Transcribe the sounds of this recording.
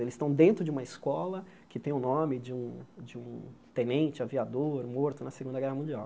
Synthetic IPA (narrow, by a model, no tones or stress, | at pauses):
elɪst̪ɐ̃w̃d̪ẽnt̪ɾʊd͡ʒɪũmɐɪskɔlɐ | kɪt̪ẽj̃ʊnõmɪd͡ʒɪũd͡ʒɪũt̪ẽnẽnt͡ʃɪaviad̪oɾmoɾt̪ʊnɐseɡũnd̪ɐɡɛɦɐmũd͡ʒiaw